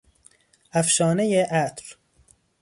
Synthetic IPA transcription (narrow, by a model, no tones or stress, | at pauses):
æfʃɒːnejeʔæt̪ɾ